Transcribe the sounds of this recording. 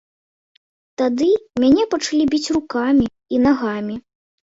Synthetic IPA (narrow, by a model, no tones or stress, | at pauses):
t̪ad̪ɨmʲanʲɛpɐt͡ʂlʲibʲit͡sʲrukamʲi | inaɣamʲi